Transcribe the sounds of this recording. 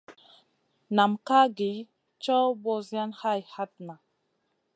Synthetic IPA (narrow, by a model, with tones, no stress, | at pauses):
na˨mka˦ɡi˨˦ | t͡ʃɔ˦bo˧za˦nha˦˨jha˦t̪̚na˨